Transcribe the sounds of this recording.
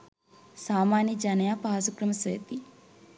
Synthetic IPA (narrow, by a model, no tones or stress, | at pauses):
saːmaːnɐd͡ʒɐnɐjapaːsukɾɐmɐseːt̪i